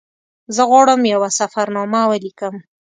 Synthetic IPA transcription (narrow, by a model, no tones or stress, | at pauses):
zəɣwaɽəmjawasafaɾnɑmawəlikəm